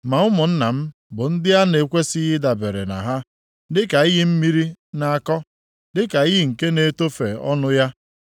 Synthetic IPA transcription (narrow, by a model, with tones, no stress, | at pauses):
ma˨ʊ˦mʊ˨n̩˦na˨m̩˦ | bʊ˨n̩˦dɪ˦a˦ne˨kʷe˦sɪ˦ɦɪ˦da˨be˨ɾḛ˨na̰˨ɦa˦ | dɪ˦ka˨i˦ɦi˦m̩˦mi˦ɾi˦na˨a˨kɔ˦ | dɪ˦ka˨i˦ɦɪ˦ŋ̩˨ke˦ne˨to˦fḛ˨ɔ̰˦nʊ˦ja˦